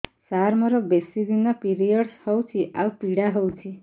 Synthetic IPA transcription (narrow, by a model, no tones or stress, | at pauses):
saɾmɔɾɔbesid̪inɔpiɾijɔɽhɔwt͡ʃʰiʔaupiɽaɦɔwt͡ʃʰi